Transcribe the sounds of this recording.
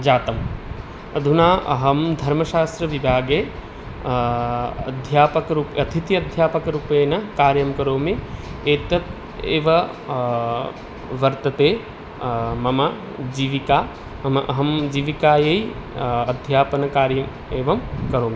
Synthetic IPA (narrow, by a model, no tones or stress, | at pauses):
d͡ʒaːt̪ɐm | ɐd̪ʱunaːʔɐ̰ɦɐmd̪ʱɐɾmɐʃaːst̪ɾɐʋibʱaːɡeː | ɐd̪ʱjaːpɐkɐɾuːpɐt̪ʰit̪jɐd̪ʱjaːpɐkɐɾuːpeːnɐkaːɾjɐmkɐɾoːmieːt̪ɐt̪̚ | ḛːʋɐ | ʋɐɾt̪ɐt̪eː | mɐmɐ | d͡ʒiːʋikaː | ɐmʔɐɦɐmd͡ʒiːʋikaːjeːjɐd̪ʱjaːpɐnɐkaːɾjɐm | eːʋɐmkɐɾoːmi